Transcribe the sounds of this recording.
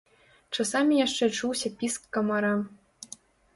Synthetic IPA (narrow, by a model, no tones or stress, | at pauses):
ʈ͡ʂɤ̆sɑmʲijɑʂːeʈ͡ʂuwsʲɑpʲiskːɤ̆mɑɾɑ